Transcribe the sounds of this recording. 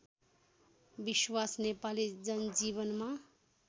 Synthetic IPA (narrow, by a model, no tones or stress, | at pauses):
biswasnepalid͡zʌnd͡ziβʌnma